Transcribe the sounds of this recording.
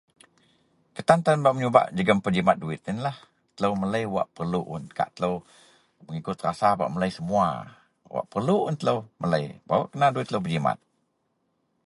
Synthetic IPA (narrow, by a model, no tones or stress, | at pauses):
kət̪ant̪anbaʔməɲuba̰ʔd͡ʒəɡəmpəd͡ʒimat̪̚duɪt̪̚ɪnlah | t̪ələwmələjwa̰ʔpərluʔʊnka̰ʔt̪ələw | məŋikʊt̪̚rasaba̰ʔmələjsəmua̰ | wa̰ʔpərluʔʊnt̪ələwmələjba̰əʔkənaduɪt̪ːləwpəd͡ʒima̰t̪̚